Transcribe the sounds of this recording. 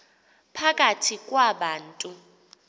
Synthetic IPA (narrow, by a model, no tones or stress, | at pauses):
pʰakʼatʰikʼwaɓaːntʼu